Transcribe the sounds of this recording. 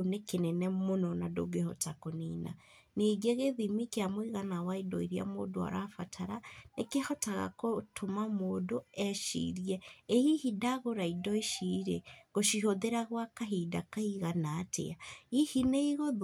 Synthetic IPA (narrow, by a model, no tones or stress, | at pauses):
nekenɛnɛmonɔnado̰ɡehɔ̰takonina̰ | neɡeɣeðimikeamwiɣanawaidɔ̰iɾja̰modoa̰ɾafatʰaɾanekehɔtaɣa̰kotʰomamoːdoɛʃḭɾjɛːhihidaɣoɾaidɔiʃiɾeɣoʃiɦoðeɾaɣwakaɦidakaiɣanaːtḛaihineiɣoð